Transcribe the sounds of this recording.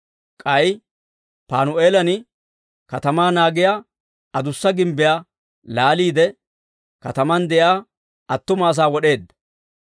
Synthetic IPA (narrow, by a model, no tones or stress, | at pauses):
kʼɐj | paːnʊʔeːlɐnɪ | kɐt̪ɐmaːnaːɡɪjaː | ɐd̪ʊsːɐɡɪmbɪjaː | laːliːd̪ɛ | kɐt̪ɐmɐnd̪ɛjaː | ɐt̪ːʊmaːs̬aːwɔɗe̞ːd̪ːɐ̥